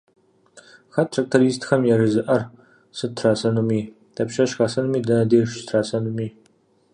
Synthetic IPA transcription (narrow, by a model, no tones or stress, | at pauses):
xɐttʰɐk̚tʰoɾiːstʰxɐmjɛrɨzɨʔɐr | sɨtʰrasɐnumiː | d̥ʰɐpʃɐʃxɐsɐnumiːdɐnɐdeːʃtʰraːsɐnumiː